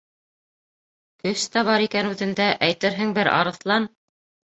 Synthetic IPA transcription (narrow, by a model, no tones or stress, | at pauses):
kɵst̪æβɑɾikænʉðɘ̆nd̪æʔæjt̪ɘɾɦɘŋbɘɾɑ̰ɾɤ̆θlˠɑn